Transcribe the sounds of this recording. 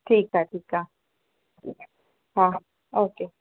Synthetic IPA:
tʰikatika | ha | oke

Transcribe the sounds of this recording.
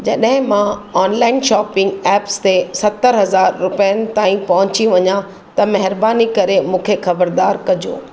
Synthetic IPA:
d͡ʑɐɗɦɪ̃mãɔːnlaːɪnʃaːpɪ̃ŋɡɛːpst̪esɐt̪əɾɦɐzaːɾːʊpəjənɪ̆t̪aːĩpɐɦʊ̃t͡ɕiʋɐɲã | t̪ɐmɐɦɪɾbaːnikɐɾemũːkʰexɐbəɾd̪aːɾkɐd͡ʑo̰ː

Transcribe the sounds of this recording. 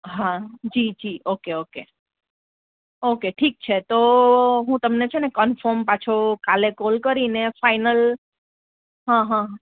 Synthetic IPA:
ɦad͡ʒid͡ʒiʔokeoke | okeʈʰik̚t͡ʃʰet̪oɦũt̪əmnet͡ʃʰenekənfəɾmpat͡ʃʰokalekolkəɾinefainəl | ɦãɦã

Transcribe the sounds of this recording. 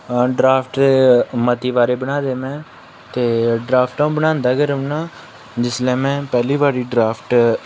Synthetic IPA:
ɖɾaːpʰʈmət̪iːʋaːɾeːbəɽaːd̪eːmɛ̃ː | t̪eːɖɾaːpʰʈãːbənãːnd̪aːkəɾənaː | d͡ʒɪslɛ̃ːmɛ̃ːpɛːliːʋaːɾiːɖɾaːpʰʈ

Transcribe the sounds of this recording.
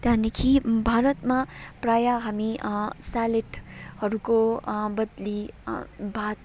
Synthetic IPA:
t̪anikʰibʱaɾət̪mapɾajaɦamisaleʈʰhʌɾukobʌd̪li | bʱat̪̚

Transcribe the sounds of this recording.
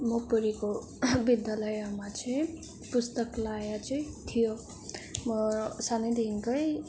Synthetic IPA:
mʌpʌɾiko | bid̪jalʌjamat͡sʌĩ | pust̪ʌklajat͡sʌĩt̪ʰijo | mʌsanʌd̪inkʌj

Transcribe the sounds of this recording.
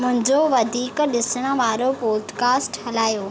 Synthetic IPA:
mʊ̃ɦɪ̃ɲd͡ʑoʋɐd̪ʱiːkɗɪsəɽ̃ə̆ʋaːɾopoːd̪kaːsʈhɐlaːjoː

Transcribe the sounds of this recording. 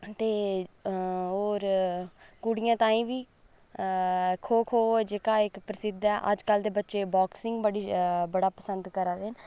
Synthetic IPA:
t̪eː | ɦoːɾ | kuɽijãːt̪ãːĩːʋiː | kʰoːkʰoːd͡ʒeːkaːɪkpɾəsɪd̪ɛːʔəd͡ʒkəld̪eːbətːʃeːbɔːksɪŋɡbəɽiːbəɽaːpəsənd̪kəɾaːd̪ɪn

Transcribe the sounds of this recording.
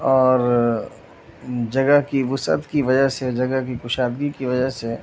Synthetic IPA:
ɔːɾ | d͡ʒɐɡəɦkiʋʊsə̰t̪kiʋɐd͡ʒəɦsed͡ʒɐɡəɦkikʊʃaːd̪ɡikiʋɐd͡ʒəɦse

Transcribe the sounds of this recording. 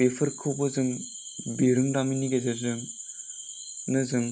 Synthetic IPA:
epʰɯɾkʰɯbɯzɯŋ | beɾɯŋɾaminiɡezezɯŋ | nɯzɯŋ

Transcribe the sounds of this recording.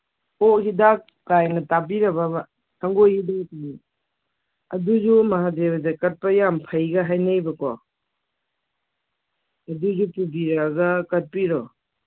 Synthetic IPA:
oɦidak̚ːajnɐtabiɾɐbɐba | sʰɐŋɡojhidaŋtini | ɐ̰duzumɐɦadebɐzekɐt̚pɐjampʰɐjɡɐɦajnajbɐkɔ | ɐduzupubiɾaɡɐkɐt̚piɾɔ

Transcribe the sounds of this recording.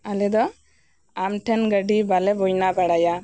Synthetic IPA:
alɛd̪ɔ | amʈʰɛnɡəɖibalɛbɔjnabaɽaja

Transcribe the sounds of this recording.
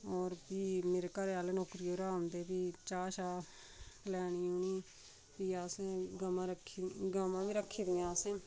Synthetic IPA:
ɔːɾbiːmeːɾeːkəɾeaːlenoːkɾiːoːɾaːnd̪eːbiːt͡ʃaːʃaː | kəlɛːɳiːoːniː | piːaːsẽːɡəmãːɾəkʰːiɡaːmãːbiːɾəkʰːiːd̪ẽːaːsẽː

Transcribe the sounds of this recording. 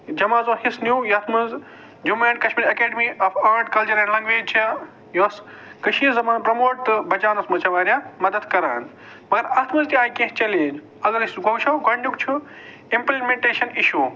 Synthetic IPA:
d͡ʒɐmaːzohisnjuːjɐt̪ʰmɨnz | d͡ʒumeːnkɐʃmiːɾɐkeːɖmiʔɐfaːɾɖkɐlt͡ʃuɾɐnlɐ̃ŋɡʋeːt͡ʃʰa | jos | kɐʃiːzɐmaːnpɾɐmoːʈ̚t̪ɨbɐt͡ʃaːnɐsmɐt͡ʃɐʋaːɾʲjaːmɐd̪ɐd̪kɐɾaːn | mɐɡɐɾɐt̪ʰmɨnzt̪iaːjkẽɦt͡ʃɐlẽːd͡ʒ | ɐɡɐɾisɡɐwʃɐwɡɐɳɖukt͡ʃʰu | implimeɳʈeːʃɐniʃuː

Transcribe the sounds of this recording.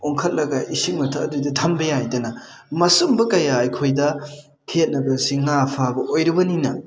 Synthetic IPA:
oŋkʰɐt̚lɐɡɐʔisik̚mɐtʰɐːdudɐtʰɐmbɐjajdɐnɐmɐsumbɐkɐjaːjkʰojdɐ | kʰijɐt̚nɐbɐsiŋapʰabɐʔojɾɐbɐninɐ

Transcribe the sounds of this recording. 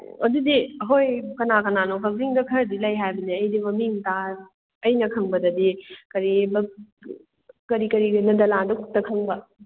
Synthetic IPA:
ɐdudiɦojkɐnakɐnanokʰɐziŋdɐkʰɐɾdilɐjɦajbɐniɐjdimɐmiŋta | ɐjnɐkʰɐŋbɐdɐdikɐɾibɐ | kɐɾikɐɾiɡɐnɐdɐlandukʰup̚tɐkʰɐŋbɐ

